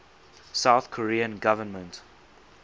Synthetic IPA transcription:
saʊθkʰɔɹiːə̃nɡavənmə̃nt

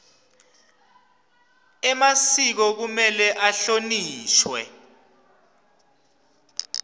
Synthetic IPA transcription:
ɛmasik̬ɔk̬umɛlɛʔaɬoniːʃwɛ̰

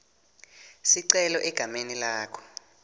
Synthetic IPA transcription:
siǀɛlɔʔɛɡ̥ʱamenilaːkʰɔ̥

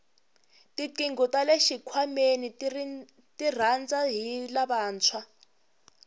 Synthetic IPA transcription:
tiǃiŋɡɔtaleʃikʰwameni | tir̤and͡zaɦilaɓaːnt͡sʰwa

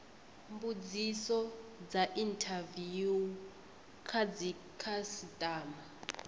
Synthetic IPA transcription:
mbud͡zisɔd͡zaʔintʰaviu | kʰad͡zi | kʰasitʼaːma

